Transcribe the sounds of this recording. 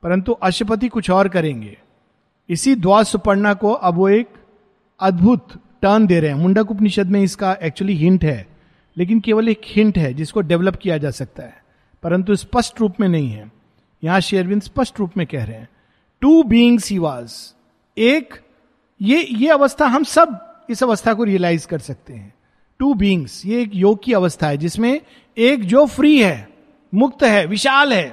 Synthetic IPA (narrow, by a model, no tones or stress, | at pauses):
pɐɾə̃nt̪uʔɐʃəp̬ət̪̬ikʊt͡ʃʰɔːɾkɐɾẽːŋɡeː | ɪsid̪waːɾsʊpəɾnakoʔɐbʋoeːk | ɐd̪bʱʊt̪ | ʈəːɾnd̪eːɾɐɦɛ̃mʊ̃ɳɖək̬ʊp̬nɪʃəd̪mẽɪskaɛːk̚t͡ʃuəliɦɪ̃ɳʈɦɛː | leːk̬ɪnkeːʋəleːkhɪ̃ɳʈɦɛd͡ʒɪskoɖɛʋləp̚kijad͡ʒaːsɐk̚t̪aɦɛː | pɐɾə̃nt̪̬uɪspɐsʈɾuːpmẽnɐɦĩɦɛː | jɐɦãʃeːəɾʋɪ̃nspɐsʈɾuːpmẽkɛɦɾɛɦɛ̃ː | ʈuːbiːɪ̃ŋzhiːʋaːz | eːk | jejeɐʋəst̪ʰaɦɐ̃msɐbɪsɐʋəst̪ʰakoɾiəlaːɪzkɐɾsɐk̚t̪eɦɛ̃ː | ʈuːbiːɪ̃ŋzjeːkjoːɡ̚kiɐʋəst̪ʰaɦɛd͡ʒɪsmẽ | eːkd͡ʒoːfɾiːɦɛː | mʊk̚t̪ɦɛːʋɪʃaːlɦɛː